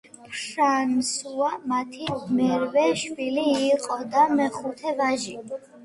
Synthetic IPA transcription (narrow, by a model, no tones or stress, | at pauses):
pʰʃansuamat̪ʰimɛɾvɛʃwiliːqʼɔd̪amɛχut̪ʰɛvaʒi